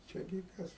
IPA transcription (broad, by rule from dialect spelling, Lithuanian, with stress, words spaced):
ˈt͡ʃʲɛ ɡʲɪ ˈkɐs